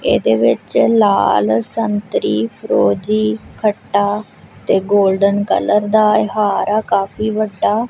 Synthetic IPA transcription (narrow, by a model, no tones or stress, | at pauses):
ḛːd̪eːʋɪt͡ʃla̰ːlsənt̪ɾiːpʰəɾoːd͡ʒiːkʰəʈːaː | t̪eːɡoːlɖənkə̰ləɾd̪aːɪɦaːɾaːkaːpiːʋəɖːaː